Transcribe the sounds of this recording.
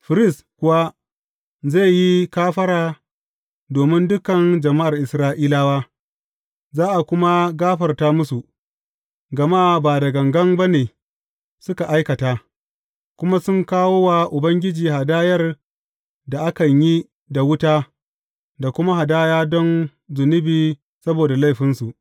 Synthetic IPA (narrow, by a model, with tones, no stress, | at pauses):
ɸɪ˨ɾɪ˦s | kʷʊ˨wa˦ | za˦˨ji˦kaː˦ɸɐ˦ɾaː˨ | doː˨mɪ˦ndʊ˦kɐ˨nd͡ʒɐ˨ma˦ʔa˨rʔɪ˨sɾaː˦ʔiː˦laː˦baː˦ | zaː˦ʔa˨kʷʊ˦ma˦ɡaː˦ɸɐ˨rtaː˦mʊ˦su˨ | ɡɐ˨ma˦baː˨dɐ˨ɡɐ˨ŋɡɐ˦mba˦neː˨ | sʊ˦ka˨ʔa˦jkɐ˨taː˦ | kʷʊ˦ma˦sʊ˦ŋkaː˦woː˦waː˨ʔʊ˨bɐ˦ŋɡʲɪ˦d͡ʒiː˨ɦa˨daː˦jɐ˦r | da˨ʔa˦kɐ˨ɲji˦ | da˨wʊ˦taː˦ | da˨kʷʊ˦ma˦ɦa˨daː˦jaː˦dɔ˦n | zʊ˨nʊ˦biː˨ | sɐ˦boː˨da˨la˦jɸɪ˦nsu˨ʔ